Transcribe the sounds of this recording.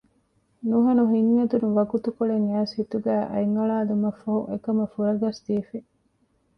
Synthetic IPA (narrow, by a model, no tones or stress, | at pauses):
nuɦɐnuɦiŋːɐd̪unuʋɐɡut̪ukoɭeŋæːshit̪uɡæːʔɐ̰jŋɡɐɭaːd̪umɐfːɐɦuekɐmɐfuɾɐɡɐsd̪iːfe